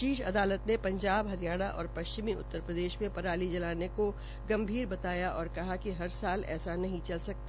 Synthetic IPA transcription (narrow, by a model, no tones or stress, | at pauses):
ʃiːʃɐ̰d̪aːlət̪nẽpɐ̃ɲd͡ʒaːbɦɐɾijaːɽ̃aʔɔːɾpɐʃt͡ʃɪmiʊ̰t̪ːəɾpɾəd̪eːʃmẽpɐɾaːlid͡ʒɐlaːneko | ɡɐ̃mbʱiːɾbɐt̪aːjaʔɔːɾkɐɦakiɦɐɾsaːlɛ̰ːsanɐɦĩt͡ʃɐlsɐk̚t̪a